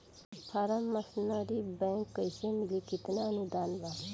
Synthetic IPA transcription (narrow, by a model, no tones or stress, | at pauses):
pʰaɾəmːɐsnəɾibɛ̃ːŋkːəjsemɪlikɪt̪naənud̪aːnʋa